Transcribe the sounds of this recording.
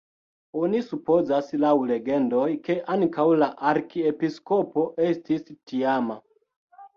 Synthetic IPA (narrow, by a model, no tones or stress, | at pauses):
o̞nisupo̞zaslawle̞ɡe̞ndo̞jke̞ʔaŋkawlaʔaɾkiepiskopo̞ʔe̞stistiama